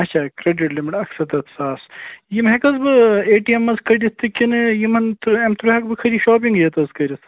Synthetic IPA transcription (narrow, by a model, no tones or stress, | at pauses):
ɐtːt͡ʃʰaːkɾeɖiʈlʲimiʈɐksɐt̪ɐt̪ʰsaːsjimɦekɐzbɨeːʈiemːɐzkʰɐɖʲist̪ɨkʲinɨjimɐnt̪ɾemt̪uɾuɦɐkbɨkʰɐɾiʃoːp̬iŋɡjet̪ɐskɐɾʲis